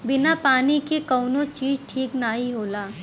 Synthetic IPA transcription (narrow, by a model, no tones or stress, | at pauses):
bɪnapaːnikikɐːnõt͡ʃiːzʈʰiːknaːɦiɦoːlaː